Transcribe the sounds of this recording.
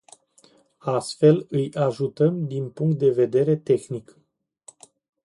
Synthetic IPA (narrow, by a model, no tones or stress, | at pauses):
ast̪fe̞lɨjaʒut̪əmd̪inpuŋk̚t̪̚d̪e̞ve̞d̪e̞ɾe̞t̪e̞xnik